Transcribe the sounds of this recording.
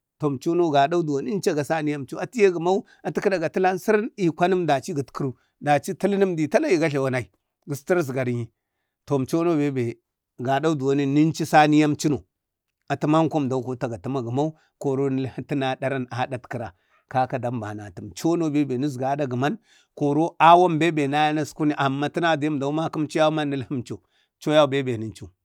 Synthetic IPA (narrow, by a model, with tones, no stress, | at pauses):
to˨m˨t͡ʃo˦no˦ɡa˨da˦u˦du˨wa˨n˦n˦t͡ʃa˦ɡa˨sa˦ni˦ja˦mt͡ʃi˦a˨ti˦je˦ɡə˨ma˦u˦ | a˨ti˦ki˦da˨ɡa˨ti˦la˦n˦si˦ɾni˦˨kʷa˦nə˦mda˨t͡ʃi˦ɡi˨tki˦ɾu˦ | da˨t͡ʃi˦ti˦lni˦mdi˨ta˦la˦ji˨ɡa˦ɬa˨wa˨na˨i˨ | ɡi˨sti˦ɾz̬ɡa˨ɾɲi˨ | to˨m˨t͡ʃo˦no˦be˨˦be˨ | ɡa˨da˦u˦du˨wa˨ni˦ni˦nt͡ʃi˦sa˦ni˦ja˦mt͡ʃi˦no˨ | a˨ti˦ma˦ŋko˦m˨da˨u˦ko˦ta˨ɡa˨ti˦ma˨ɡə˨ma˦u˦ | ko˨ɾo˦ni˦lhi˦ti˦na˦da˦ɾa˦na˦da˦tki˨ɾa˨ | ka˦ka˦da˨mba˨na˨ti˨mt͡ʃo˦no˦be˦be˨ni˦s̬ɡa˨˦da˦ɡə˨ma˦n | ko˨ɾo˦a˦wa˦mbe˦be˨na˦ja˦na˦sku˦ni˦ʔa˨mːa˦ti˦na˦di˨ji˦˨da˨u˦ma˦ki˦mt͡ʃi˦a˦ma˦nːi˦lhi˦mt͡ʃo˨ | t͡ʃo˦ja˦˨be˦be˨ni˨nt͡ʃu˦˨